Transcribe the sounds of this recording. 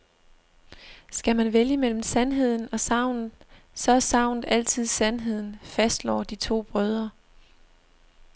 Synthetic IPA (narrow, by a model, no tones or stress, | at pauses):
sɡ̥æmænʋeljəmel̰m̩sænɦe̝ð̞̰ˠn̩ɒ̽sɑ̈ʊ̰nð̩ˠ | sɒ̽æsɑ̈ʊnð̩ˠæl̰t͡sʰið̰ˠsænɦe̝ð̰ˠn̩fæsd̥lɒːd̥it͡sʰo̝̰ːb̥ʁœð̞ˠɐ